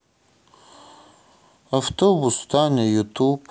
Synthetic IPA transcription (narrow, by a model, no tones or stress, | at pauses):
aft̪obust̪anejut̪ʰup